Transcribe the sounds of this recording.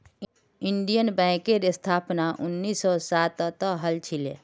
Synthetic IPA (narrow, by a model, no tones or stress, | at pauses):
iɳɖijənbɛ̃keɾɪst̪ʰaːpnaʔʊnːisːɔsat̪t̪əɦəlt͡ʃʰile